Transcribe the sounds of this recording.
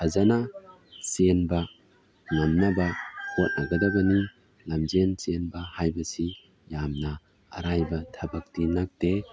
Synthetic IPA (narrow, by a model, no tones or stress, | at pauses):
azana | senbɐ | ŋanːabɐkot̚naɡɐdaɡɐni | lamzensenbɐhajbɐsi | jamnɐ̰ː | ɾajbɐtʰɐbɐk̚tinak̚te